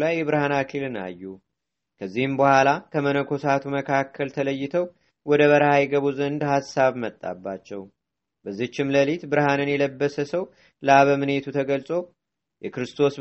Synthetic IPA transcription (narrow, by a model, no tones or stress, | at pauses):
lajːɛβɨɾhanakʰilɨna̰jːu | kʰəzːihɨmbəhʷalakʰəmənəkʰo̞sat̪ʰuməkʰakʰːəlt̪ʰələjːɪt̪ʰəw | wɔd̪əβəɾhajɛɡəβuzənd̪hasːaβmət̪ʼːa̰bːat͡ʃːɛw | bəzːit͡ʃːɪmləlit̪bɨɾhanɨnjɛləbːəsəsəw | ləaβəmɨne̞t̪ʰut̪ʰəɡəlsʼo̞ | jɛkɾɨst̪ʰo̞s